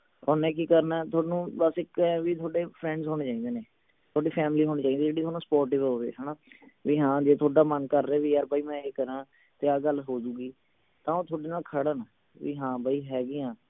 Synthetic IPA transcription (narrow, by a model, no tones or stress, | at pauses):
oːnɛ̃ːk̬iːkəɾnɛːt̪ʰoːnũːbəsɪkɛʋiːt̪ʰoːɖeːpʰɾɛ̃ːɳɖzɦoːneːt͡ʃaːiːd̪eːneː | t̪ʰoːɖiːpʰɛːmliːɦoːñiːt͡ʃaːiːd̪iːd͡ʒeːɽiːt̪ʰoːnũːspɔːɾʈɪːʋoːʋḛːɦɛːnaːʋiːɦãːd͡ʒeːt̪ʰoːɖaːmənkəɾːeːʋiːaːɾbaːiːmɛ̃ːeːkəɾãː | t̪eːaːɡəlɦoːd͡ʒuːɡiː | t̪ãːoːt̪ʰoːɖeːnaːlkʰəɽaːna | ʋiːɦãːbaːiːɦɛːɡiːãː